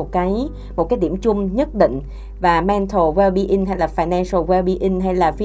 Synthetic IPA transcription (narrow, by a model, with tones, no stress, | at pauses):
t̚kaː˨˦j | mo˨˩t̚kaː˨˦jɗḭ˧˩əmt͡ɕʊ˧ŋ͡mɲə˦˥t̚ɗḭ˧˨ŋ̟ | vaː˨˩mɛ˧nt̪ʰo˨˩ɣɛ˧ɓi˧ʔi˧ŋɦa˧jlaː˨˩faː˧˩jnɛ˧nsə˧wɛ˧ɓi˧ʔi˧ŋ̟ɦa˧jlaː˨˩fi˧